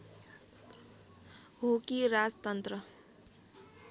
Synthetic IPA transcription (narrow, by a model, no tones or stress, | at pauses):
ɦokiɾad͡zt̪ʌnt̪rʌ